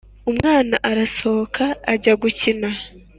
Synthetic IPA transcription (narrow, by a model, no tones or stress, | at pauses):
umŋaːnaʔaɾasookʰaːɟaɡucina